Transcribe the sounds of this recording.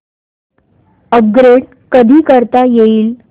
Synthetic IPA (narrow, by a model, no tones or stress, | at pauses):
əp̚ɡɾeɽ | kəd̪ʱiːkəɾt̪ajeiːl